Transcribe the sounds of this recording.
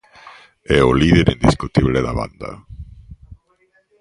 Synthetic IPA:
ɛʊliðeɾʔind̪iskut̪iβleðaβa̰nd̪a̰

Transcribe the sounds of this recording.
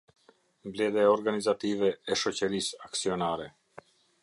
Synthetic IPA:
mblɛðɛaɔɾɡanizat̪ivɛɛʃɔt͡ɕəɾisaksiɔnaɾɛ

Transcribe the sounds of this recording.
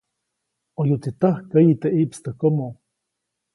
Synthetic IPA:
ojut̪it̪ahkəjit̪eʔiʔpst̪əkomo

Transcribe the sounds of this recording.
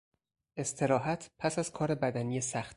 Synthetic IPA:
e̞st̪ʰe̞ɾɒːɦæt̪ʰpʰæsæz̥kʰɒːɾe̞bæd̪æniːjesæxt̪̚

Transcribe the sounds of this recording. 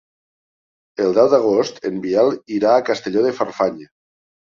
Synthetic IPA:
elˠd̪ɛwd̪aɣ̞ost̪ḛmbialˠiɾaːkast̪eʎoðefarfaɲe

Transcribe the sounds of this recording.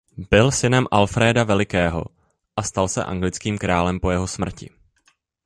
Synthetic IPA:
b̥ɪlsɪnɛmʔalfɾɛːdavɛlɪkɛːɦo̞̰ | ʔast̪alsɛ̰ʔa̰ŋɡlɪt͡skiːmkɾaːlɛmpo̞jɛɦo̞smr̩cɪ̰

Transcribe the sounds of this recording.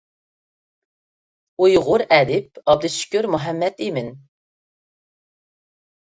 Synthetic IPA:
ujʁʊɾɛd̪ɪp̚ɑb̚d̪ɪʃy̥kʲyɾmuɦɛmːɛt̪imɪn

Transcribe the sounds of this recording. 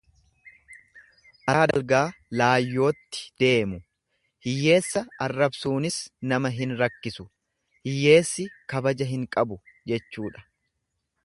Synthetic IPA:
ʔɐd̪ɐlɡaːlaːjːo̞ːt̪ːɪ̥d̪̥e̞ːmʊ | hɪjːe̞ːsːɐɐrːɐbsuːnɪsnɐmɐɦɪnɾɐkːɪsʊ | hɪjːe̞ːsːɪkɐbɐd͡ʒɐɦɪŋkʼɐbʊd͡ʒɛt͡ʃːuːᶑɐ̥

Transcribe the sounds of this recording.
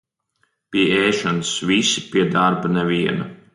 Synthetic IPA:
piɛeːʃɔnsvisi̥piɛd̪aɾbanɛvʲiɛna

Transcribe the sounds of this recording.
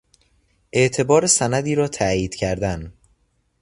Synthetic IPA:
ʔe̞ʔt̪ʰe̞bɒːɾesænæd̪iːɾɒːt̪ʰæjiːd̪̥cʰæɾd̪æn

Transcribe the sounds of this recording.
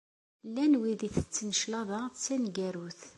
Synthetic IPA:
lːænwiðiθət͡sːənəʃlɑðˤɑt͡sːænɡæɾuθ

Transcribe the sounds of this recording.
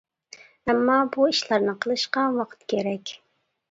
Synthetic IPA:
ɛmːɑbuiʃlæɾnɨqʰəlˠɨʃqɑwɑqʰə̥t̪kʲʰeɾɛkʲ

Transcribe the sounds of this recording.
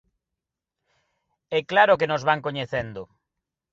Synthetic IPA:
ɛklaɾokenozβaŋkoɲeθɛnd̪ʊ

